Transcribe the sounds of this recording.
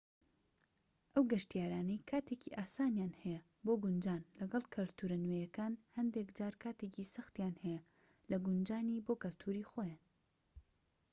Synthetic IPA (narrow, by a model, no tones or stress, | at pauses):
ʔɐwɡɐʃt̪ijaːɾaːnɐjkʰaːt̪ʰeːciʔaːsaːnjaːnhɛjɐ | boːɡʊnd͡ʒaːnlɐɡɐlˠkʰɨlt̪ʰuɾɐnwejɐkaːnhɐnd̪ekd͡ʒaːɾkʰaːt̪eːcisɐxt̪jaːnhɛjɐ | lɐɡʊnd͡ʒaːniboːkɨlt̪ʰuːɾixojaːn